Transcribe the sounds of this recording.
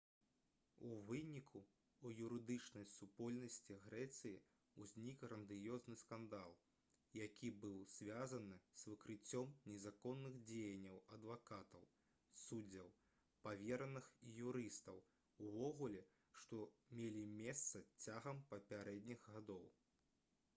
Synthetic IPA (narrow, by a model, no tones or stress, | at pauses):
uvɨnʲikʰuː | juɾɨd̪ɨt͡ʂnɐjsupɔlʲnɐsʲt͡sʲiɣɾɛt̪sɨji | uzʲnʲikrɐnd̪ɨjɔznɨskand̪alˠ | jakʲʰibɨwz̥ʲvʲazɐnɨz̥vɨkɾɨt͡sʲːɔmnʲɛzakɔnːɨɣd͡zʲejɐnʲːɐwɐd̪vakat̪ɐw | sudd͡zʲːɐw | pavʲɛɾɐnɨxijuɾɨst̪ɐw | uvɔɣulʲɛ | ʂt̪ɔmʲelʲimʲɛst̪sɐt͡sʲaɣɐmpɐpʲaɾɛd̪ʲnʲiɣɣad̪ɔw